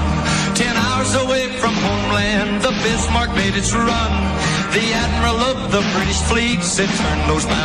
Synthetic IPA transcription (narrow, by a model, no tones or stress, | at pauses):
tʰɛ̃naʊə˞zəweɪfɹʌ̃mhõʊ̃mlæ̃nðəbɪsmɑɹk̚meɪɾɨd̚tʰəɹʌ̃n | ðiæd̚mə˞l̩ˠʌvðəpʰɹ̥ɪ̃nsfliɡsɨtʰɜ̃˞nðoʊzba